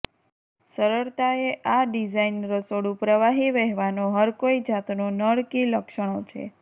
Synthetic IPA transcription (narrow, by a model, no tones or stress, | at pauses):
səɾəɾt̪aeʔaɖid͡ʒainɾəsoɽũpɾəʋaɦiʋɛɦʋanoɦəɾkoid͡ʒat̪nonəɭkiləkʃəɽ̃ot͡ʃʰḛ